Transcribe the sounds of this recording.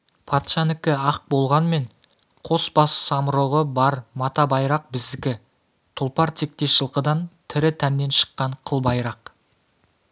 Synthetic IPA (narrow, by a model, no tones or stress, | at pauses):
pʰɑt̪ʃɑnɪkʲɪɑq̚bo̞lˠʁɑnme̞ɴ | qʰo̞sbɑssɑmɾoʁəbɑɾmɑt̪ɑbɑjɾɑq̚bɪzd̪ɪkʲɪ | t̪ʰʊlˠpɑɾt̪ʰe̞k̚t̪e̞ʃəlˠqəd̪ɑnt̪ʰɪɾɪt̪ʰænːe̞nʃə̥qːɑɴqʰəlˠbɑjɾɑq